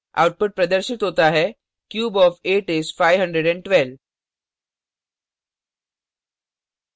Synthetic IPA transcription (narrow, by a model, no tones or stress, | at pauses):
ʔa̰wʈ̚pʊʈ̚pɾɐd̪əɾʃɪt̪ɦoːt̪aɦɛ | kjuːbɔːfeːʈesfaɪʋɦə̃ɳɖɾeɖɛ̃ɳɖʈʋɛl